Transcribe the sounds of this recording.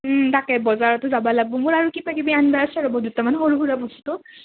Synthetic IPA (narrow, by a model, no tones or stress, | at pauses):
takɛbɔzaɹɔtʊzabalaɡ̚bɔmʊɹaɹukipakibianbaasɛɹɔbɔdutamanxoɹubuɹabɔsu̥tʊ